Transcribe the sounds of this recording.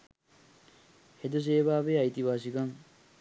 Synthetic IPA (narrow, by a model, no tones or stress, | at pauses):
hed̪us̬eːbaːʋeːɐjt̪iʋaːs̬ikɐŋ